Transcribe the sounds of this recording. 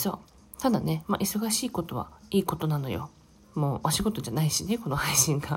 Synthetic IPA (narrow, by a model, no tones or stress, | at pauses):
so̞̰ː | t̪ad̪ane̞ma̰ʔiso̞ɡaɕiːko̞t̪o̞βa̰iːko̞t̪o̞nano̞̰jo̞̰ | mo̞ːʔaɕiɡo̞t̪o̞d͡ʑanaiɕine̞ko̞no̞haiɕĩŋɡa